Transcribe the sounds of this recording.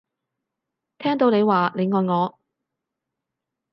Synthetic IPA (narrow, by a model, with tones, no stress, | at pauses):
t̪ʰɛː˥ŋt̪o˨˧wne˨˧jwaː˨ne˨˧jŋɔː˨jŋɔː˨˧